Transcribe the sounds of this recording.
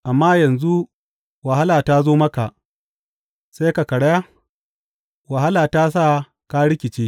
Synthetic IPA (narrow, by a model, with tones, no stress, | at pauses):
ʔa˨mːaː˦jɐ˨nzu˦ | wɐ˨ɦa˦laː˨taː˦zoː˦mɐ˦ka˨ʔ | se˦ka˨kɐ˨ɽɐ˦ja˦ | wɐ˨ɦa˦laː˨taː˦s̬aː˦˨ | kaː˦ɽɪ˦kʲɪ˨t͡ʃeː˦